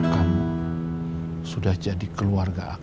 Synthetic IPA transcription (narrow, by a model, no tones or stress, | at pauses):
kamu | sudahd͡ʒadikəluarɡaʔa